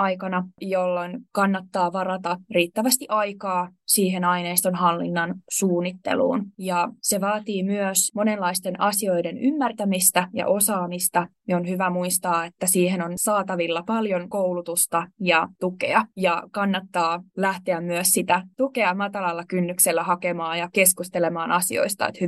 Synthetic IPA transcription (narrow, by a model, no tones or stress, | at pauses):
ʔɑjkɑnɑjolːonkɑnːɑt̪ːɑːʋɑɾɑt̪ɑriːt̪ːæʋæst̪iʔɑikɑːsiːɦenɑineist̪o̞nɦɑlːḭnːɑnsuːnːit̪ːḛlṵːnjɑse̞ʋɑːt̪iːmyøsmonelːɑist̪e̞nʔɑsio̞jdenymːært̪æmist̪æjɑ̰ʔo̞sɑːmist̪ɑmionhyʋæmuist̪ɑːet̪ːæsiːhenonsɑːt̪ɑʋilːɑpɑljoŋkowlut̪ust̪ɑjɑt̪ukḛɑjɑkɑnːɑt̪ːɑːlæht̪eæmmyøssit̪æt̪ukeɑmɑt̪ɑlɑlːɑkynːykselːæhɑkemɑːjɑkeskust̪elemɑːnɑsio̞̰ist̪ɑ̰ḛt̪hy